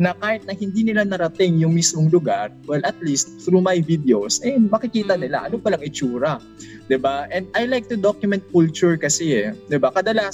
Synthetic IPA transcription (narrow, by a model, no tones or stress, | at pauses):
nɐkaːhɪt̪̚nɐhɪnd̪inɪlanɐɾɐt̪ɪŋjʊŋmismoŋlʊɡaɹwɛlʔɐt̪list̪̚θɾumajvid̪ɛowsʔɛmɐkɪkiːt̪ɐnɪla̰ʔɐnopɐlaŋɪt͡ʃuːɾɐ | d̪ɪbaʔɛ̃nd̪̚ʔajlajk̚t̪ʊd̪okjʊmɛ̃nt̪̚kult͡ʃʊɹkɐsɛɛd̪ɪbakɐd̪ɐlas